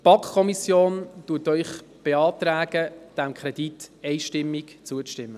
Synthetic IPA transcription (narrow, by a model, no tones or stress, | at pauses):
b̥ɑkχkʰɔmisjoːnd̥uətœʏχb̥eɑːt̪ɾæːɡ̥əd̥æmkχɾɛd̥itɛɪʃtɪmːikt͡suətɪmːə